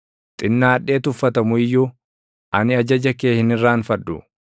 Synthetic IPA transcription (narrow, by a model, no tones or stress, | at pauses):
t̪ʼɪnːaːɐᶑːe̞ːt̪ʊfːɐt̪ɐmʊɪjːuː | ʔɐnɪɐd͡ʒɐd͡ʒɐke̞ːhɪnɪrːaːnfɐdːʊ